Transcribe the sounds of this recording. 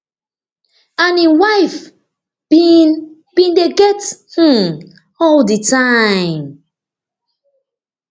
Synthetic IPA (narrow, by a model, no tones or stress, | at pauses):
ãniwaɪf | b̥in | b̥ĩndeɡɛth̩ | ɔlditʰaɪ̃m